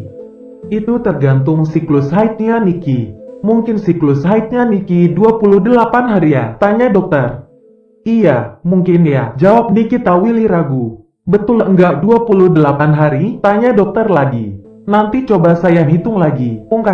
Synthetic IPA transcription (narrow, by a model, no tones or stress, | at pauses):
it̪ut̪ərɡant̪ʊŋsiklʊshait̪̚ɲanikimuŋkɪnsiklʊshait̪̚ɲanikiduapulʊhdəlapanɦaɾijat̪aɲadɔk̚t̪ər | ijamuŋkɪnjad͡ʒawap̚nikit̪awiliɾaɡu | bət̪ʊləŋɡaʔduapuluhdəlapanɦaɾit̪aɲadɔk̚t̪ərlaɡḭ | nant̪it͡ʃobasajaɦit̪ʊŋlaɡiuŋka